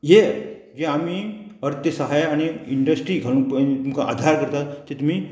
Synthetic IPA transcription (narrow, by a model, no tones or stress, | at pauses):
ɦe | d͡ʑeamiːəɾt̪jəsəɦajañiiɳɖəsʈɾiːɡʱalũpit̪umkaʔa̰d̪ʱaɾkəɾt̪at̪et̪um̤i